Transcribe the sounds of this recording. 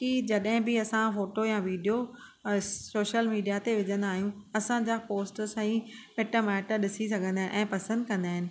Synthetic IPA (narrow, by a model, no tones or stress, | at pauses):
kid͡ʑɐɗɦɪ̃bɪɐsãfoːʈojaʋiːɖijo | soːʃəlmiːɖijat̪eʋɪd͡ʑʱə̃nd̪aːɦijũɐsãd͡ʑapoːsʈsãĩmeʈəmɛːʈəɗɪsis̬ɐɡʱə̃nd̪aːʔɛ̃ːpɐsə̃nd̪kɐ̃nd̪aːɦɪnɪ̆